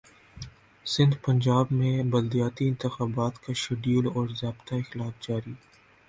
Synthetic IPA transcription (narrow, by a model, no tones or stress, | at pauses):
sɪ̃nd̪pɐ̃ɲd͡ʒaːbmẽbɐld̪ijaːt̪iɪ̃nt̪ɪxaːbaːt̪kaʃɐɖiːlɔːɾzjaːbt̪aɪxlaːfd͡ʒaːɾi